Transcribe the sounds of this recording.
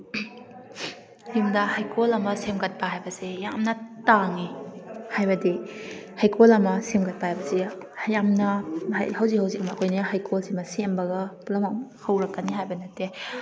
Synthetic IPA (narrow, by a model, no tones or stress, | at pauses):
jimdɐhajkʰolɐmɐsemkɐt̚pɐɦajbɐsejamnɐtaŋihajbɐdihajkʰolɐmɐsemkɐt̚pahajbɐsi | jamnɐ̰hɐwzikhɐwzikɐmɐːkojniɦajkʰolsimɐsembɐɡɐpulɐmahɐwɾɐkːɐniɦajbɐnɐte